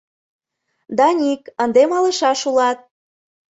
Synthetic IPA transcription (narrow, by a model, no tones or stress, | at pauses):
d̪ɑnʲikənd̪emɑlə̆ʃɑʃulɑt̪̚